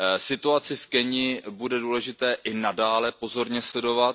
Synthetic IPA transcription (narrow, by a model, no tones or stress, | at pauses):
sɪt̪uat͡sɪfkɛɲɪbudɛduːlɛʒɪt̪ɛːʔɪnadaːlɛpo̞zo̞ɾɲɛslɛdo̞vat̪